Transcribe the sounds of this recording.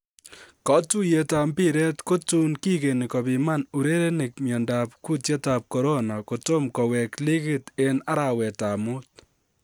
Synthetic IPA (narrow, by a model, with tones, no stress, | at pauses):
kɔ˦tu˦je˨ta˧mbi˦ɾɛ˦tko˦tu˦nki˦ke˨ni˨kɔ˨pima˦nu˨ɾe˦ɾe˦nɪ˨k̚mjɔ˨nda˨p̚ku˦tje˦ta˨p̚kɔ˨ɾo˦na˨ko˨to˦mkɔ˨wɛ˨kli˦kɪ˦˨te˦na˦ɾa˨wɛ˨taː˨mu˦t̚